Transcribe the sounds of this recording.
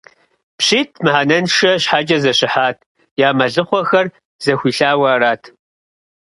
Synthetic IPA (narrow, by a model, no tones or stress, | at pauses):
pɕiːtʰmɨħanɐnʂɐɕħad͡ʒʼɐzɐɕɪħaːtʰ | jaːmɐɮɨχʷɔxɐr | z̥ɐxʷiːɬaːwaːɾaːtʰ